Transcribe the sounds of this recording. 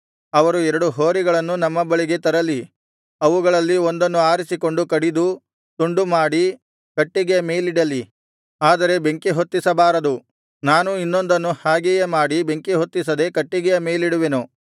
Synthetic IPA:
ɐʋɐɾuɛɾɐɽuɦo̞ːɾiɡɐɭɐnːunɐmːɐbɐɭiɡe̞t̪ɐɾɐlːi | ɐʋuɡɐɭɐlːio̞nd̪ɐnːuaːɾisiko̞ɳɖukɐɽid̪u | t̪uɳɖumaːɽi | kɐʈːiɡɛjɐmeːjliɽɐlːi | aːd̪ɐɾe̞be̞ŋkiɦo̞t̪ːisɐbaːɾɐd̪u | naːnuinːo̞nd̪ɐnːuhaːɡɛjɐmaːɽibe̞ŋkiɦot̪ːis̬ɐd̪e̞kɐʈːiɡɛjɐmeːjliɽuʋenu

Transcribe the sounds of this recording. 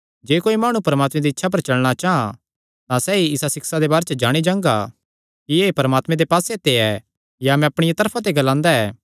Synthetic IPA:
d͡ʒeːkoːimaːɽ̃ũpɐɾəmaːt̪mẽd̪iɪtːʃʰap̬ɐɾt͡ʃɐɭɽ̃at͡ʃaːɦã | t̪ãsɛiɪsasɪksad̪ebaːɾet͡ʃəd͡ʒaːɽ̃id͡ʒãːŋɡa | kieːpɐɾəmaːt̪mẽd̪epaːset̪eɛ | jaɐmɛ̃ɐpɽ̃ɪjat̪ɐɾpʰãt̪̬eɡɐlãːnd̪aɛː

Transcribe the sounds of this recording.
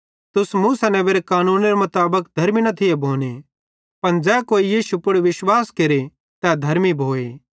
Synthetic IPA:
t̪ʊsmuːsɐnɛ̃ʋeːɾekaːnuːnɾemʊt̪aːbəkd̪ʱɐɾminɐt̪ʰɪjebʱoːne | pɐnd͡ʒɛːkoːijiːʃupʊɽʋɪʃwaːskeɾe | t̪ɛd̪ʱɐɾmibʱoːeː

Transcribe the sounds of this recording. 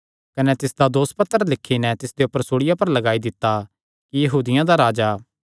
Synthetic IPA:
kɐnɛt̪ɪsd̪ad̪oːspət̪ːəɾlɪkʰːinɛt̪ɪsd̪eʊpːəɾsoːɽɪjapɐɾlɐɡaːid̪ɪt̪ːa | kijɐɦuːd̪ɪjãd̪aɾaːd͡ʒaː

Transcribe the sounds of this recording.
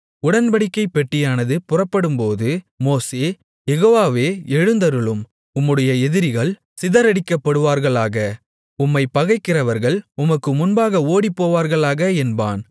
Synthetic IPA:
ʊɽɐnbɐɽɪkːɐɪpːɛʈːɪjaːnɐðɯpʊrɐpːɐɽɯmpoːðɯ | moːseː | jɛɣoːʋaːʋeːɛɻɯnd̪ɐɾɯɭɯm | ʊmːɯɽɐjɐɛðɪɾɪɣɐɭ | sɪðɐɾɐɽɪkːɐpːɐɽɯʋaːɾɣɐɭaːɣɐ | ʊmːɐɪpːɐɣɐɪkːɪrɐʋɐɾɣɐɭʊmɐkːɯmʊnbaːɣɐoːɽipːoːʋaːɾɣɐɭaːɣɐɛnba̰ːn

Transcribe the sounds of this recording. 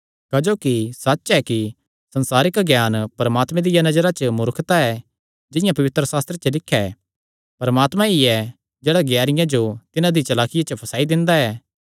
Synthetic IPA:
kɐd͡ʒoːkisɐt͡ʃːʃɛki | sɐ̃nsaːɾɪkɡjaːnpɐɾəmaːt̪mɛ̃d̪ɪjanɐd͡ʒəɾat͡ʃəmʊɾkʰt̪aɛ | d͡ʒɪ̃jãpɐʋɪt̪ɾəsaːst̪ɾet͡ʃəlɪkʰːɛ | pɐɾmaːt̪mãiɛ | d͡ʒeːɽaɡjaːɾɪjãd͡ʒot̪ɪnãd̪it͡ʃɐlaːkʰɪjat͡ʃəpʰɐsaːid̪ɪ̃nd̪aɛː

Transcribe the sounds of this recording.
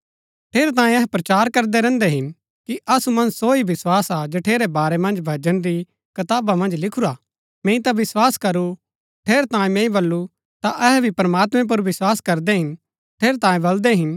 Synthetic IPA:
ʈʰeːɾet̪ãːẽɛɦɛpɾɐt͡ʃaːɾkɐɾd̪ɛɾɛ̃ːnd̪ɛɦɪn | kiʔɐsumɐ̃nsoibɪswaːsad͡ʒɐʈʰeːɾɛbaːɾɛmɐ̃nd͡ʒbʱɐd͡ʒənɾi | kɐt̪aːbamɐ̃nd͡ʒlɪkʰuɾaː | mẽːĩt̪abɪswaːskɐɾu | ʈʰeːɾt̪ãːĩmẽːĩbɐlːu | t̪aʔɛɦɛbʱipɾmaːt̪mɛ̃p̬ʊɾʋɪswaːskɐɾd̪ɛɦɪn | ʈʰeːɾet̪ãːĩbɐld̪ɛɦɪn

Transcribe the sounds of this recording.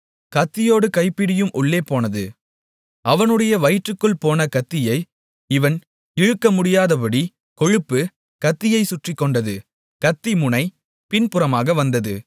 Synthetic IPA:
kɐt̪ːɪjoːɽɯkɐɪpːɪɽɪjɯmʔʊɭːeːpoːnɐðɯ | ɐʋɐnɯɽɐjɐʋɐɪʈrɯkːɯɭpoːnɐkɐt̪ːɪjɐɪ | ɪʋɐn | ɪɻɯkːɐmʊɽɪjaːðɐpɐɽi | kɔɻɯpːɯ | kɐt̪ːɪjɐɪsʊʈrɪkːɔɳɖɐðɯ | kɐt̪ːimʊnɐɪ | pɪnpɯɾɐmaːɣɐʋɐnd̪ɐðɯ̰

